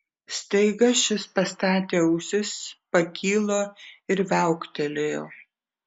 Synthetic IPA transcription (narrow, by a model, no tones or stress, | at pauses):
st̪ɐɪɡɐʃʲɪspɐst̪ɑːt̪ʲeːɐʊsʲɪspɐkʲʰiːlˠoːɪɾʋʲæˑʊkt̪ʲɛlʲejoː